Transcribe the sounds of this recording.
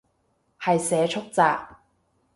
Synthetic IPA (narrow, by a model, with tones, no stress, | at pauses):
hɐ˨jsɛː˨˧t͡ʃʰʊ˥k̚t͡saː˨k̚